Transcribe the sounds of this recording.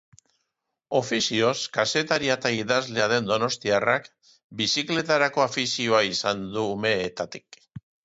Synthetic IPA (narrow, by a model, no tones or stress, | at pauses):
o̞fisio̞skase̞t̪aɾiat̪aiðazle̞aðe̞nd̪o̞no̞st̪iarak | bisikle̞t̪aɾako̞afisio̞aisand̪uːme̞ːt̪at̪i̥k